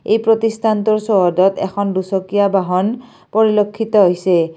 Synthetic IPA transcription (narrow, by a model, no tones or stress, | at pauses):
ḛjpɹot̪istʰant̪uɹsɔɦɔdɔt̪ɛ̰kʰɔndusɔkijabaɦɔn | pɔɹilokʰːit̪ɔɦojsɛ